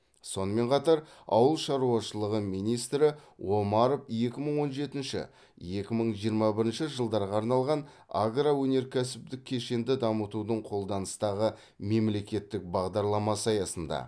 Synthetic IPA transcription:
so̞nəme̞ɴqʰɑt̪ɑɾɑ̰wəlˠʃɑɾuɑʃəlˠəʁəmijnijst̪ɾɪwo̞mɑɾofje̞kʲɪməɴwo̞nʒe̞t̪ɪnʃɪ̰ | je̞kʲɪməɴʒijəɾmɑbɪɾɪnʃɪʒəlˠd̪ɑɾʁɑːɾnɑlˠʁɑn | a̰ɡrawɵne̞ɾkʲʰæsɪp̚d̪ɪkʲʰːe̞ʃe̞nd̪ɪd̪ɑmət̪ud̪əɴqʰo̞lˠd̪ɑnəst̪ɑʁə | me̞mle̞kʲe̞t̪ːɪk̚bɑʁd̪ɑɾlˠɑmɑsɑjɑsənd̪ɑ̰

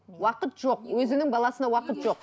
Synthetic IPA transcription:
wɑqət̪ʒ̥o̞qwɵzɪnɪŋbɑlˠɑsənɑwɑqət̪ʒo̞q

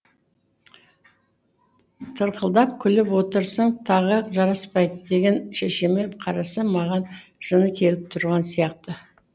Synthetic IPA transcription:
t̪ʰəɾqəlˠd̪ɑp̚kʲʰʏlɪpwo̞t̪əɾsəɴt̪ʰɑʁəʒɑɾɑspɑjd̪əd̪e̞ɡʲe̞nʃeʃe̞me̞pqʰɑɾɑsəmɑʁɑnʒ̥ənəkʲʰe̞lɪp̚t̪ʰʊɾʁɑnsijɑq̚t̪ə

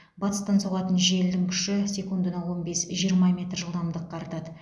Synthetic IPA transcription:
bɑt̪əst̪ɑnsoʁlˠɑt̪ənʒe̞ld̪ɪŋkʲʰʏ̥ʃɪsʲe̞kund̪ənɑwo̞nbe̞sʒijəɾmɑmʲe̞t̪rʒəlˠd̪ɑmd̪əqːɑɾt̪ɑd̪ə

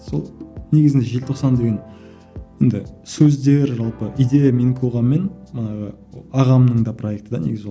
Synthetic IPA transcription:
so̞lˠne̞ɡʲɪzɪnd̪eʒe̞lt̪ʰoqsɑnd̪e̞ɡʲe̞n | jend̪ɪsɵzd̪eɾʒɑlˠpəʔid̪e̞jameŋkʲʰoʁɑmːe̞nmənɑʁə̰ | ɑʁɑmnəɴd̪ɑpʰro̞je̞k̚t̪əd̪ɑneɡʲɪze

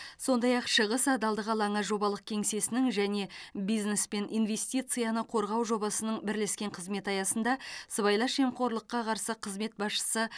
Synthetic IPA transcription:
so̞nd̪ɑjɑqʃəʁəsɑd̪ɑlˠd̪əʁɑlˠɑɴɑʒo̞bɑlˠəq̚kʲʰe̞ŋse̞sɪnɪŋʒæne̞bijzne̞spe̞nʔijnve̞st̪ijt̪sɨjɑnəqʰo̞ɾʁɑwʒo̞bɑsənəɴbɪɾleskʲe̞ɴqʰəzme̞t̪ɑjɑsənd̪ɑsəβɑjlˠɑʃemqʰo̞ɾlˠəqːɑqʰɑɾsəqʰəzme̞t̪̚bɑsʃə̥sə

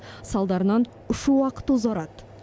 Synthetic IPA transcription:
sɑlˠd̪ɑɾənɑn | ʊʃuwɑqə̥t̪ʊzɑɾɑt̪

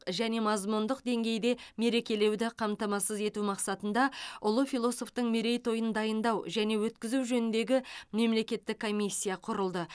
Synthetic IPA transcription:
ʒæne̞mɑzmund̪əqd̪e̞ŋɡʲe̞jd̪e̞me̞ɾe̞kʲe̞le̞wd̪ɪqʰɑmt̪ɑmɑsəze̞t̪umɑqsɑt̪ənd̪ɑʊlˠəfʲilˠo̞so̞ft̪əɴmeɾe̞jt̪ʰo̞jənd̪ɑjənd̪ɑwʒæne̞wɵt̪kʲɪzuwʒɵnɪnd̪e̞ɡʲɪme̞mle̞kʲe̞t̪ːɪkʰːo̞mʲisʲːijɑqʰʊɾəlˠd̪ə

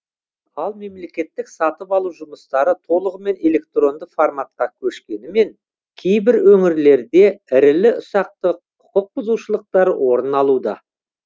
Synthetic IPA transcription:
ɑlˠme̞mle̞kʲe̞t̪ːɪksɑt̪əpɑlˠuwʒʊməst̪ɑɾət̪ʰo̞lˠəʁəme̞ne̞le̞k̚t̪ro̞nd̪əformat̪̚qɑkʲʰɵʃkʲe̞nɪme̞ŋ | kʲʰe̞jbɪɾwɵŋɪɾle̞ɾd̪e̞ɪɾɪlɪʊsɑq̚t̪əqʰ | ʊqəq̚bʊzuwʃəlˠəq̚t̪ɑɾəwʔo̞ɾənɑlˠud̪ɑ̰

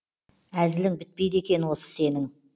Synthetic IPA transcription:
æzɪlɪŋbɪt̪̚pe̞jd̪e̞kʲe̞nwo̞sə̥se̞nɪŋ

